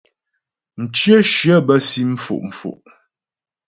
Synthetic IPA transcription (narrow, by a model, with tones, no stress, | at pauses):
n̩˨t͡ʃjə˦ʃjə˦bə˦si˦m̩˦fṵ˨ʔm̩˨fṵ˨ʔ